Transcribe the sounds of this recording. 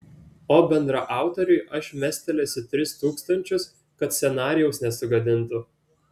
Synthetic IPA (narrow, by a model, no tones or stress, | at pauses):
oːbʲɛnd̪ɾɐʔɑˑʊt̪ɔɾʲʊɪʔɐʃmʲæsʲt̪ʲɛlʲɛsʲɪt̪ʲɾʲɪst̪uːkst̪ɐnʲt͡ʃʲʊs | kɐt̪sʲɛnɑːɾʲɪjɛʊsnʲɛsʊɡɐd̪ʲɪnˑt̪ʊ